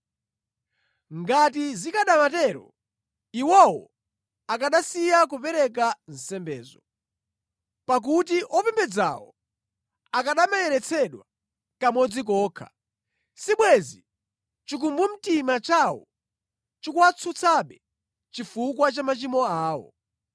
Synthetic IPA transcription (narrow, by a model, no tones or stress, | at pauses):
ŋɡatizikaɗamatɛɾɔ | iwɔwɔ̰ | akaɗasijak̬upɛɾɛk̬an̩sɛmbɛːzɔ | pak̬utiʔɔpɛmbɛd͡za̰wɔ | akaɗamajɛɾɛt͡sʰɛɗwa | kamɔd͡zik̬ɔːkʰḁ̰ | siɓwɛzi | t͡ʃik̬umbum̩timat͡ʃawɔ̰ | t͡ʃikuwat͡sʰut͡sʰaɓɛ | t͡ʃifukwat͡ʃamat͡ʃimɔaːwɔ̰